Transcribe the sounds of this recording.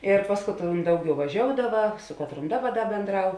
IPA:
ɪr ˈpɐs kɐtˌroːn ˈdɐʊˌɡʲɛʊ ʋɐˈʒʲoːʊdɐʋɐ ˈsʊ kɐtˌroːn ˈdɑːˌbɐ ˈdɐ bʲeːnˈdrɐʊ

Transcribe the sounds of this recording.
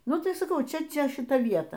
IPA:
ˈnʊ tɐɪ sɐˈkɐʊ ˈt͡ʃʲɛ ˈt͡ʃʲɛ ʃʲɪˈtɐ ˈʋʲiɛtɐ

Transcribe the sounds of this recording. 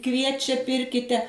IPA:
ˈkʋʲiɛt͡ʃʲɛ ˈpʲɪrʲkʲɪtʲɛ

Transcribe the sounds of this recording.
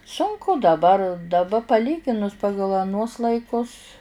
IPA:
sʊŋˈkʊ dɐˈbɐr dɐˈbɐ pɐˈlʲiːɡʲɪnʊs ˈpɑːɡɐlˠ ɐˈnuɔs lˠɐɪˈkʊs

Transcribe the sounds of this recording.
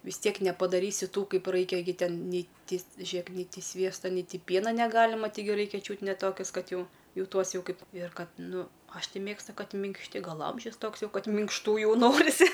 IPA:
ʋʲɪs ˈtʲiɛk nʲɛpɐdɐˈrʲiːsʲɪ ˈtuː ˈkɐɪp ˈrɐɪkʲɛ ɡʲɪ ˈtʲɛn ˈnʲɛɪ ˈtʲɪ ˈʒʲiɛk nʲɛɪ ˈtʲɪ ˈsʲʋʲiɛstɐ nʲɛɪ ˈtʲɪ ˈpʲiɛnɐ nʲɛˈɡɑːlʲɪmɐ tɐɪˈɡʲɪ ˈrɐɪkʲɛ ˈt͡ʃʲuːt nʲɛ ˈtoːkʲeːs ˈkɐt ˈjɛʊ ˈjɛʊ ˈtuɔs ˈjɛʊ ˈkɐɪp ɪr ˈkɐt ˈnʊ ˈɐʃ ˈtʲɪ ˈmʲeːkstʊ ˈkɐt mʲɪŋkʃʲˈtʲɪ ˈɡɐlˠ ˈɐmʲʒʲʊs ˈtoːks ˈjɛʊ ˈkɐt mʲɪŋkʃˈtuː ˈjɛʊ ˈnoːrʲɪsʲɪ

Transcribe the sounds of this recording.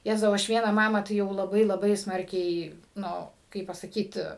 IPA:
ˈjæːzɐʊ ˈɐʃ ˈʋʲiɛnɑː ˈmɑːmɑː tɐɪ ˈjɛʊ lˠɐˈbɐɪ lˠɐˈbɐɪ ˈsmɐrʲkʲɛɪ ˈnʊ ˈkɐɪp pɐsɐˈkʲiːt

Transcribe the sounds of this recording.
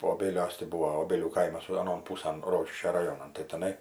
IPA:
oːˈbʲeːlʲuɔs tʲɪ ˈbʊʋoː oːˈbʲeːlʲuː ˈkɐɪmɐs ɐˈnoːn ˈpuːsɐn ˈroːkʲɪʃʲkʲoː rɐˈjoːnɐn tɐɪ tʲɛˈnɐɪ

